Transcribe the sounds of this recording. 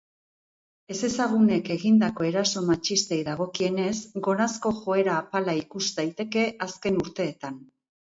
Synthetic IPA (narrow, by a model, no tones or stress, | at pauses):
e̞se̞saɣ̞une̞ke̞ɣind̪ako̞e̞ɾaso̞mat͡ʃist̪e̞jðaɣ̞o̞kie̞ne̞sɡo̞ɾasko̞ʝo̞e̞ɾaːpalaikusd̪ajt̪e̞ke̞ʔaske̞nuɾt̪e̞ːt̪an